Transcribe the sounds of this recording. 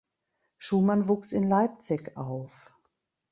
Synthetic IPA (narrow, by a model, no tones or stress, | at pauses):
ʃuːmanvuːksɪnlaɪp̚t͡sɪçʔaʊf